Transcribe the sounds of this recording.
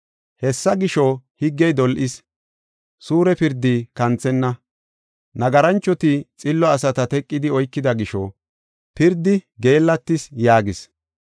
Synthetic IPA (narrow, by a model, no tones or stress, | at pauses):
hɛsːɐɡɪʃɔhɪɡːɛjd̪ɔlʔɪs | suːɾɛpɪɾd̪ikɐnt͡sɛnːɐ | nɐɡɐɾɐnt͡ʃːɔt̪ɪt͡sʼɪlːɔɐsɐt̪ɐt̪ɛkʼːɪd̪ɪɔjkːɪd̪ɐɡɪʃɔ | pɪɾd̪ːɪɡe̞ːlːɐt̪ːɪsjaːɡɪs